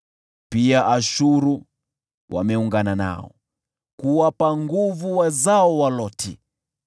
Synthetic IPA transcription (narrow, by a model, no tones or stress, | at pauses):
piaʔaʃuɾu | wʔa̰mɛuŋɡanana̰ɔ̰ | kuwapaŋɡuvuwazaɔwalɔtʰi